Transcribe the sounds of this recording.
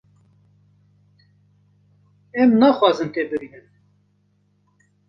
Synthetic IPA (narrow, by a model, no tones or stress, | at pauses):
ɛmnɑxʷwɑːzɨnt̪eːbɨɾiːnɨm